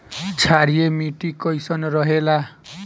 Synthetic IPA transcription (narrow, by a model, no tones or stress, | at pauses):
t͡sʰaɾijemiʈikʌjsʌnrʌɦela